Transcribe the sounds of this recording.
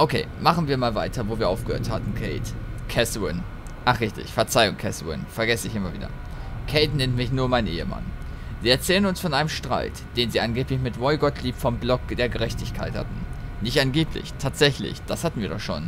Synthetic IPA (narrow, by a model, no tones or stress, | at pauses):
ʔokʰeːmaχn̩viːɐmaːlvaɪtʰɐvoːviːɐʔaʊfɡ̥əhø̰ːɐthatn̩kʰɛɪt | kʰɛswɪn | ʔaχʁɪçtɪ̰çfɛɐt͡saɪʊŋkʰɛswɪ̰nfɛɐɡɛsəɪçʔɪmɐvḭːdɐ̰ | kʰeɪtnɛntmɪçnuːɐmaɪnʔḛːəma̰n | ziːɛɐt͡sɛːlənʊnsfɔnʔaɪnəmʃtʁ̥a̰ɪtd̥eːnziːʔanɡeːplɪçmɪtvɔɪɡɔtʰliːpfɔmblɔk̚d̥eːɐɡəʁɛçtɪçkʰa̰ɪtha̰tn̩ | nɪçtʔanɡeːpʰlɪ̰çtʰaːtz̥ɛçlɪ̰çd̥ashatn̩viːɐdɔχʃoːn